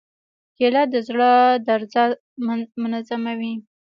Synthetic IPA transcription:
kelɑd̪əzɽəd̪aɾzɑ | mʊnazamawi

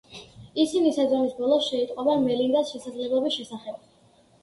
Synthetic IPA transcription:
isinisad̪zɔmisbɔlˠɔsʃɛit̪ʼqʼɔbamɛlind̪asʃɛsad̪zlɛblˠɔbisʃɛsaχɛb̥̚

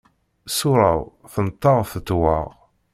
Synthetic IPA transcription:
sʊɾˤɑ̰wθənət̪ˤːɑʁθət̪ːwɑʁ

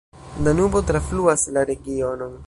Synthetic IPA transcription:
danubo̞tɾafluaslaɾe̞ɡio̞no̞n

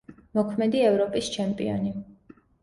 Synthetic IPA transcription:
mɔkʰmɛd̪iɛvɾɔpʼist͡ʃʰɛmpʼḭɔ̰ni

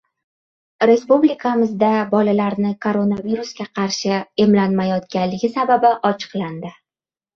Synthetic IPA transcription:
ɾe̞spublikʰamɪzd̪abɒlalaɾnɪkʰo̞ɾo̞naviɾuskʲaqʰɑɾʃɪe̞mlanmajɒt̪kʲanlːɪɡʲɪsababɪʔɒt͡ʃʰɨ̥qlˠand̪ɪ

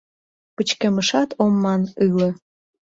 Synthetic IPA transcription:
pət͡ɕkeməʃɑt̪ʰomːɑnɯlə̆

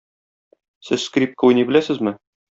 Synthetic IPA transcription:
sɘzskrʲip̚kəujnibɘ̆læsɘzmɘ

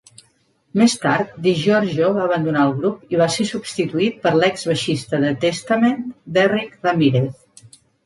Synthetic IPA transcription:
mest̪aɾt̪̚d̪iʒɔɾʒoβaəβənd̪unaəlˠɣɾupiβasesubst̪it̪uit̪̚pəɾlɛkzβəʃist̪əðət̪est̪əmend̪ɛrikrəmiɾeθ

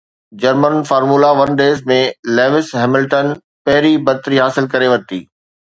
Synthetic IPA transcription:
d͡ʑɐɾmənfaːɾmuːlaʋɐnɖeːzmẽleːʋɪsɦɛːmɪlʈən | pɐɦɪɾibɐt̪ɾiɦaːsɪlkɐɾeʋɐt̪ḭː

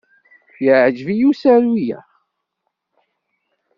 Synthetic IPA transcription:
jəʕd͡ʒvijusæɾwijæ̰

